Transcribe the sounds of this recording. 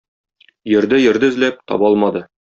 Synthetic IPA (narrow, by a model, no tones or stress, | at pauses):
jɵ̆ɾd̪ɘjɘ̆ɾd̪ɘɘ̆zlæp̚t̪ɒ̰bɑlˠmɑd̪ɤ